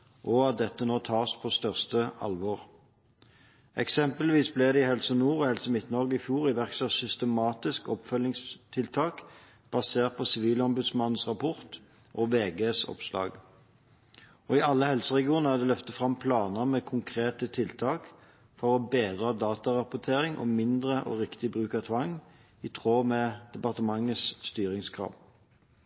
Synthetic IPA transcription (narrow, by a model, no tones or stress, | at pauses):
ʔɔɑt̪̚d̪ɛt̪ːənoːt̪ʰɑːʁspʰɔst̪œʁst̪əɑ̰lʋɔʁ | ʔɛ̰ksɛmpəlʋiːsblɛd̪ɛɪhɛlsənuːʁɔhɛlsəmɪt̪nɔʁɡəɪfjuːʁɪʋæʁksɑsʏst̪əmɑːt̪ɪskɔpfœlːɪŋst̪ʰɪlt̪ʰɑːk | b̥ɑseːʁt̪̚pʰɔsɪʋiːləɔmbʉd̪smɑn̩ːsʁɑpʰɔʁt̪ | ʔɔʋeːɡeːsɔ̰pslɑ̰ːɡ | ɔɪɑlːəhɛlsəʁɛɡɪuːnəæʁd̪ɛlœft̪əfʁɑmpʰlɑːnəmɛːkʰʊŋkʰʁeːt̪ət̪ʰɪlt̪ʰɑːk | fɔʁɔbeːd̪ʁɑd̪ɑːt̪ɑʁɑpʊt̪ʰeːʁɪŋʔɔ̰mɪnd̪ʁəʔɔ̰ʁɪkt̪ɪbʁʉːkɑt̪ʰʋɑŋ | ɪt̪ʰʁoːmɛd̪̥ɛpɑʁt̪əmɑŋːəsːt̪yːɾɪŋskʰʁɑ̰ːʋ